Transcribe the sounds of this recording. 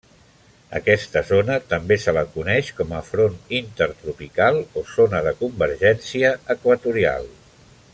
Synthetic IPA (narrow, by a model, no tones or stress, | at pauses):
ə̰kɛst̪əzonət̪əmbesələkunɛʃkɔməfɾonint̪əɾt̪ɾupikalˠozonəðəkumbəɾʒɛnsiəːkwət̪uɾia̰lˠ